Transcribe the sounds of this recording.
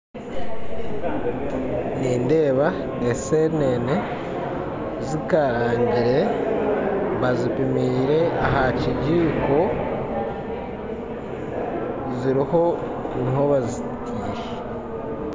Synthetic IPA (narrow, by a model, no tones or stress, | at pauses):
niːnde̞ːβa | eseɾineːne | zikaɾaːɲɟiɾe̞ | βazipimiːɾe̞aɦaciɟiːko̞ | ziɾiho̞ | nho̞βazi | tʰiːʃe̥